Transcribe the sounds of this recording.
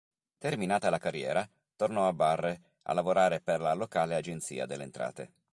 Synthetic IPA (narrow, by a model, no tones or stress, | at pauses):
t̪erminaːt̪alakarːjɛːɾa | t̪ornɔabːarːe | a̰lːavoɾaːɾeperlalokaːlead͡ʒent̪sḭːa̰d̪elːeːnt̪ɾa̰ːt̪ḛ